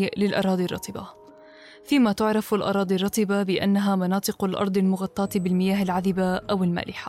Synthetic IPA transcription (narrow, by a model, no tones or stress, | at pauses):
lɪlʔɑ̰ɾˤɑːd̪ˤirˤːɑ̰t̪ˤɨba̰ | fiːmat̪ʊʕɾˤɑfalʔɑ̰ɾˤɑːd̪ˤirˤɑt̪ˤɨbabɪʔa̰nːaɦamɑnɑːt̪ˤɨqalʔɑ̰ɾˤd̪ˤɪlmʊɣɑt̪ˤːɑːt̪bɪlmɪjaːɦalʕaðɪbaʔawɪlma̰ːlɪħḁ